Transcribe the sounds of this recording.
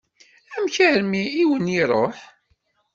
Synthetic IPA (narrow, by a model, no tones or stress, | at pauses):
æmçæɾmiːwəniɾˤoħ